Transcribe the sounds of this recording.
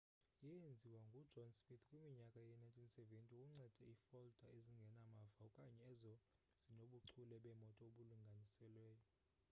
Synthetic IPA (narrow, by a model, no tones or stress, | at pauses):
jɛjend͡zʱiwaŋɡʱu̥d͡ʒʱɔnsmit̪ʰkʼwimiɲakʼajɛnajntʼinsɛventʼiukʼuŋ͡ǀɛd̥ʱɛiːfɔld̥ʱaeziŋɡʱɛnamavaukʼaɲɛːzɔ | z̥inoɓuǀʰulɛɓɛmɔtʼɔoɓuluŋɡʱanisɛlwɛːjɔ